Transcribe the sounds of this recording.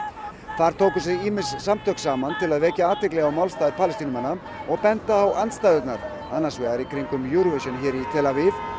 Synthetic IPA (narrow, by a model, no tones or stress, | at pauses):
θaɾ̥t̪ʰoːwkʏsɛɣiːmɪsːamt̪ʰœksaːmant̪ʰɪlaðvɛːcaaːt̪vɛklɛɣawmaːwlst̪aːðɪpʰaːlɛst̪inʏmɛnːa | ɔɣpɛnt̪aːwant̪st̪ajðʏt̪naɾ | anːḁsvɛːɣaɾikʰɾiŋkʏmjuɾvɛsɛnçɛːɾit̪ʰɛlavɪv